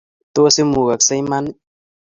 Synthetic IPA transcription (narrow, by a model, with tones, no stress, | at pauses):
t̪o˦se˦mu˨ɣa˨ksa˦jma˦n˦